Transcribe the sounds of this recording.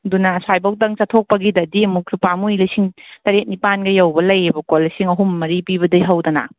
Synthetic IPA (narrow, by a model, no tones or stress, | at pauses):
ɐdunɐsajbɐwtɐŋt͡ʃɐtʰok̚pɐɡidɐdiɐmuk̚supamujlɐjsiŋtɐɾet̚nipanɡɐjɐwbɐlɐjebɐkolːɐsiŋɐɦumːɐɾipiβɐdɐjɦɐwdɐnɐ̰